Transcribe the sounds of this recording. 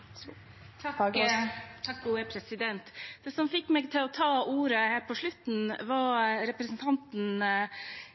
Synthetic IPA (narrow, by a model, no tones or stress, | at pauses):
t̪ʰɑ | t̪ʰɑkɡuːəpʰɾɛsɪd̪ɛnt̪d̪̥ɛːsɔmfɪkːmɛɡt̪ʰɪlɔt̪ʰɑːuːɾəhæːɾpʰɔʂɭʉt̪n̩ʋɑɾɾɛpɾəsnt̪ʰɑnt̪n